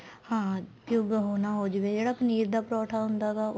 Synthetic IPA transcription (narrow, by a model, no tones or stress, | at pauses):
hãːpjʊɡɦoːnaːɦoːd͡ʒʋed͡ʒeːɽaːpəniːɾd̪aːpɾɔːʈʰaːɦʊ̃nd̪aːɡaː